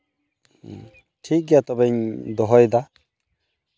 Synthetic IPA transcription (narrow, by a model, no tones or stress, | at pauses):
ʈʰik̚ɡat̪ɔbɛɲd̪ɔɦɔjd̪a